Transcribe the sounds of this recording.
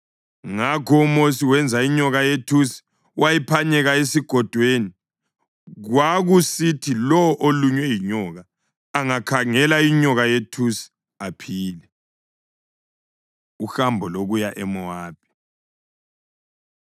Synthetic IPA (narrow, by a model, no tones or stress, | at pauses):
ŋakʰɔumosiwɛnd͡zʱaiɲɔɣajetʰusi̥ | wajipʰaɲɛɣaesiɡ̥ʱɔd̥ʱweni | ɣwaɣusitʰilɔʔoluɲwɛjiɲɔɣaː | ŋakʰaŋɛlaiɲɔɣajetʰusi̥ | apʰiːlɛ | uxambʱɔloɣujaʔɛmɔaːb̥ʱi